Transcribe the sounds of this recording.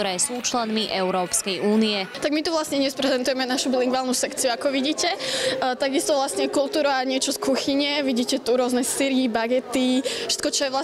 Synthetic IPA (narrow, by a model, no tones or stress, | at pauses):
ɔɾɛːsuːt͡ʃlɛnmiʔɛʊɾɔːpskɛjʔuːniɛt̪aɡmit̪uʋlasɲɛɲɛspɾɛzɛnt̪ujɛmɛnaʃubiliŋɡʋaːlnusɛkt͡siuakɔʋiɟiːcɛt̪aɡist̪ɔʋlasɲɛkulˠt̪uːɾaaɲɪɛt͡ʃɔskuxiɲɛʋiɟiːcɛt̪uɾʊɔznɛsiɾibaɡɛt̪iʃɛ̥t̪kɔt͡ʃɔjɛʋla